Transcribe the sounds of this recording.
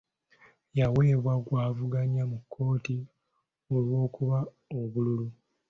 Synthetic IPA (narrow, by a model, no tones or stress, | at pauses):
jawe̞ːβwaɡwaːvuɡaɲamukʰːo̞ːti | o̞lwo̞ːkuβa | oβululu